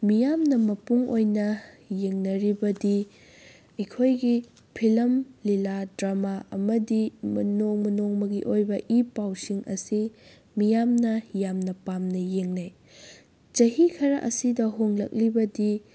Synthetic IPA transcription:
mijamnɐmɐpuŋojnɐ | jeŋnɐɾibɐdi | ikʰojɡi | pʰilɐmliladɾamaɐmɐdimɐnoŋmɐnoŋmɐɡiʔojbɐʔipawsiŋʔɐ̰si | mijamnɐjamnɐpamnɐjeŋnaj | t͡ʃɐɦikʰɐɾɐʔɐsidɐɦoŋlɐk̚libɐdi

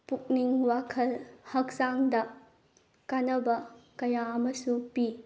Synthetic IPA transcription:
puk̚niŋwakʰɐlhɐk̚zaŋdɐ | kanɐbɐkɐjaɐmɐsupi

